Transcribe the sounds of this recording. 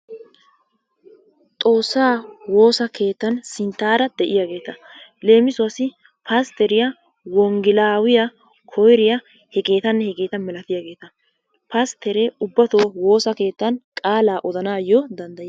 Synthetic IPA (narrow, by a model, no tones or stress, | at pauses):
t̪ʼo̞ːsːaːwo̞ːsɐkʰe̞ːt̪ːɐnsɪnt̪ːaːɾɐd̪ɛʔɪjaɡe̞ːt̪ɐle̞ːmɪsʊɐsɪ | paːst̪ɛɾɪjɐ | wɔŋɡɪlaːwɪjɐ | kʰɔjɾɪjɐ | hɛkʼe̞ːt̪ɐnːɛhɛkʼe̞ːt̪ɐnmɛlɐt̪ɪjaɡe̞ːt̪ɐ | past̪ɛɾɛʊbːɐt̪o̞ːwo̞ːsɐke̞ːt̪ːɐnkʼaːlaːʔɔd̪ɐnaːjɔd̪ɐnd̪ɐj